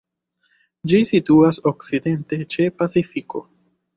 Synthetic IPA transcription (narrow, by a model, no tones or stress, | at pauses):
d͡ʒisituaso̞kside̞nte̞t͡ʃe̞pat͡sifiko̞̰